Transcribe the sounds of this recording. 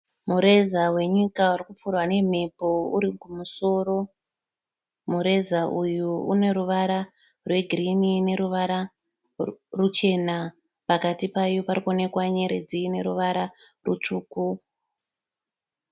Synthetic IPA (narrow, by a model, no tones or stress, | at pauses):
muɾe̞zawe̞ɲikaurikup͡furwane̞m̤epo̞uɾikumuso̞ro̞ | muɾe̞zaʔujuṵne̞ɾuʋaɾa | rwe̞ɡʱirinine̞ɾuʋaɾa | rut͡ʃe̞na | pakatipajoparikuone̞kwaɲe̞ɾe̞̰d͡zine̞ɾuʋaɾarṵt͡ʂuːku